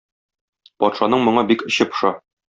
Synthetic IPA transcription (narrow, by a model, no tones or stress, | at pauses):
pɒt̪ʃɑnɤɴmŏɴɑbikɘ̆ɕɤp̆ʃɑ